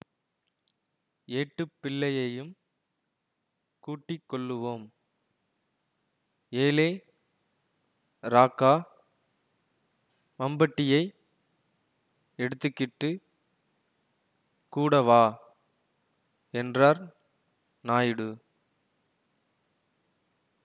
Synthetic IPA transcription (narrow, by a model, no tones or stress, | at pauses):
eːʈːɯpːɪlːɐjɐjɯm | kuːʈːɪkːɔɭːɯʋoːm | eːleː | ɾaːkːaː | mɐmbɐʈːɪjɐɪ | ɛɽɯt̪ːɯkːɪʈːɯ | kuːɽɐʋaː | ɛndraːɾ | naːjɽɯ